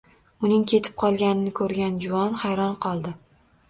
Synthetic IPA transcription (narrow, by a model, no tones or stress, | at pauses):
ʊnɪŋkʲʰe̞t̪ʰɪ̥p̚qʰɒlˠɡʲanɪnɪkʰɵɾɡʲand͡ʒʊvɒnhajɾɒnqʰɒlˠd̪ɪ